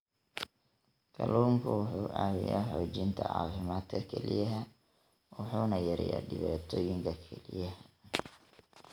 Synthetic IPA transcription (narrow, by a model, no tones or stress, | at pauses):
kʰɐluːŋkʰʊwʊħuːʔaːwɪjaːħɔːt͡ʃɪnt̪ʰɐʕɑ̰ːfɪmaːd̪kʰɐkʰɛlɪjɐɦɐ | wʊħuːnɐjɐɾɛ̰ja̰ːɖɪβaːt̪ʰɔːjɪŋkʰɐkʰɛlɪjɐhɐ